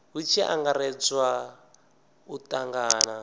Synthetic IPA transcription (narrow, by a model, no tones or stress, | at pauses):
ɦut͡ʃʰia̰ŋɡaɾɛt͡swa | utaŋɡaːna